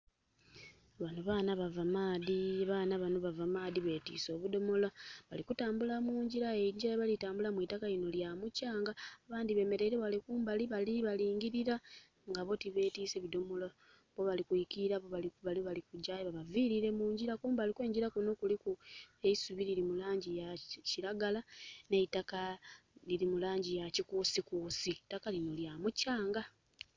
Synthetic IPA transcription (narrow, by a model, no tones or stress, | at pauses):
βanoβaːnaβavamaːðiβaːnaβanoβavamaːdiβe̞ːtḭːso̞ːβudo̞mo̞laβa̰likutaːmbulamuːɲɟiɾaeɲɟiɾaeβalitaːmbulamwiːtakaino̞ljamucaːŋɡaːβaːndiβe̞ːme̞ɾe̞ɾeβalikuːmbaliβaliβaliːŋɡiɾiɾa | ŋɡaβo̞tiβe̞ːtise̞βido̞mo̞la | βo̞βalikuikiiɾaβoβaiβaliβalikuɟaːjeβaβaviːɾiɾe̞muːɲɟiɾakuːmbalikwe̞ːɲɟiɾakuno̞kulikueisuβiliɾimulaːɲɟijaciɾaɡalane̞itakaliɾimulaːɲɟijacikuːsikuːsitːakalino̞ljamucaːŋɡa